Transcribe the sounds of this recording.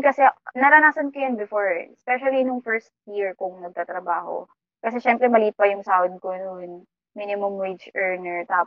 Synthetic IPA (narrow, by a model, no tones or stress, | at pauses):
kɐsɛnɐɾɐnaːsɐnkɐjanbɪfoɹspɛʃɐlinʊŋfɛɹst̪̚jiɹkʊŋnɐɡ̚t̪at̪ɾɐbaːho̰ | kɐsɛʃɛmpɾɛmɐliːpɐjʊŋsaːwd̪̚konʊn | minɪmʊmwit͡ʃʔɛɹnɛɹt̪aː